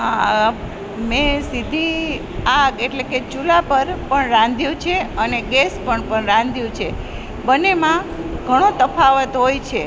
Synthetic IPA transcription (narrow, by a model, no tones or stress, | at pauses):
ɦa | mẽsid̪ʱi | aɡeʈleket͡ʃulapəɾpəɳɾãnd̪ʱjũt͡ʃʰeəneɡespəɳpəɳɾãnd̪ʱjũt͡ʃʰe | bənːemã | ɡʱəɽ̃ot̪əfʰaʋət̪ɦojt͡ʃʰe